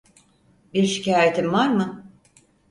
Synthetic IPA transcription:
biɾʃi̥caːɾet̪ʰimvaɾmɯ

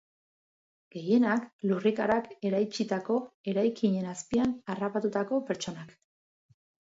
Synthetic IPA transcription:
ɡ̥e̞je̞naklurikaɾake̞ɾajt͡ʃit̪ako̞e̞ɾajkiɲe̞naspianarapat̪ut̪ako̞pe̞ɾt͡ʃo̞nak

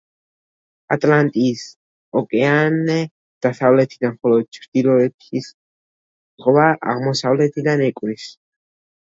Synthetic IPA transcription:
at̪ʼlant̪ʼis | ɔkʼɛanɛ | d̪̥aθavlɛt̪ʰid̪anχɔlɔd̪̚t͡ʃʰɾd̪̥ilɔɛtʰis | χʼɔvaʔa̰ʁmɔsavlɛt̪ʰid̪anɛkʼɾis

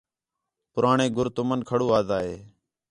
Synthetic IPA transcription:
pʊɾaːɳeːɡʱʊɾt̪ʊmənkʰəɽoːaːzaːɦeː

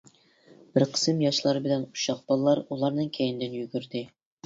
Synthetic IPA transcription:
b̥ɪɾqʰə̥sɨmjɑʃlˠɑɾɨbɪlɛnuʃɑq̚bɑlˠlːˠɑɾulˠɑɾnɨŋkʲʰɛjɪnd̪ɪnjyɡʲyɾd̪ɪ

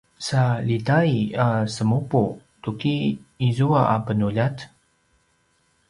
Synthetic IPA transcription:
salitaiasəmupu | tukiːzuaʔapənuʎat̪

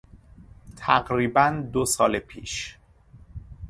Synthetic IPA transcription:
t̪ʰæɡɾiːbænd̪osɒːlepʰḭːʃ

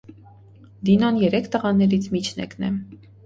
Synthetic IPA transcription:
d̪inɔnjɛɾɛkʰt̪əʁɑnɛɾit͡sʰmit͡ʃʰnɛ̰knɛ

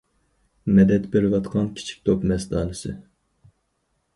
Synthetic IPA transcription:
mɛd̪ɛt̪beɾɪvɑt̪qʰɑnkʲʰi̥t͡ʃʰi̥k̚ʲt̪ʰopmɛsd̪ɑ̰ːlɨsɨ̰

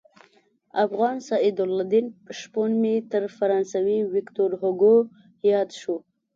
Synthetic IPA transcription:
afɣɑnsɑid̪ʊlːad̪inʃponmit̪əɾfaɾɑnsawiwɪkt̪oɾɦoɡo | jɑd̪ʃu

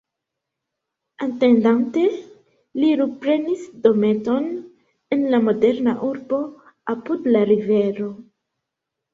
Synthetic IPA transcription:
ante̞ndante̞ | liɾupɾe̞nisdo̞me̞to̞n | enlamo̞de̞ɾnaʔuɾbo̞ | apudlaɾive̞ɾo̞

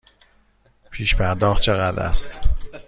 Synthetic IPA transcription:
pʰiːʃpʰæɾd̪ɒːxt̪̚t͡ʃʰe̞ɣæd̪æ̰st̪

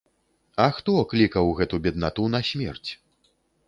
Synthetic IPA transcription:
ɐxt̪ɔklʲikɐwɣɛt̪ubʲɛd̪̚nat̪unɐsʲmʲɛ̰rt͡sʲ

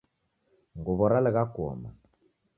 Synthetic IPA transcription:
ŋɡʊβɔɾalɪɣakɔ̰ma̰

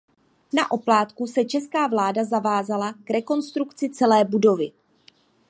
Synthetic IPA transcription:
naʔo̞plaːt̪kusɛt͡ʃɛskaːvlaːdazavaːzalakɾɛko̞nst̪ɾukt͡sɪt͡sɛlɛːbudo̞vɪ

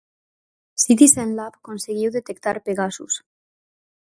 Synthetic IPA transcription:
sit̪̬isenlapkonseɣiwðet̪ekt̪aɾpeɣasus

